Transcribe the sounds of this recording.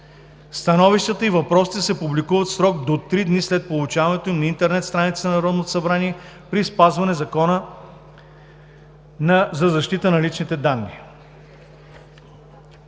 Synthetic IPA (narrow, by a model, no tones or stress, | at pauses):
st̪ɐnɔviʃt̪ət̪əivɐpɾɔsi̥t̪ɛsɛpublikuvət̪sɾɔɡd̪ot̪ɾid̪nislɛt̪̚polˠut͡ʃavɐnɛt̪oimnɐint̪ɛɾnɛt̪st̪ɾanit̪snnɐɾɔd̪not̪o̥sɐbɾaniɛ | pɾispazvɐnɛzɐkɔnə | nɐzɐzɐʃt̪it̪ənɐlit͡ʃnit̪ɛd̪anːḭ